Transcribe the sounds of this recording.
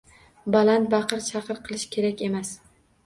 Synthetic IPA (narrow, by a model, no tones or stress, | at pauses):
balant̪̚bɑqɨɾt͡ʃʰɑqɨɾqʰɨlˠɪʃkʲʰe̞ɾakʲe̞mas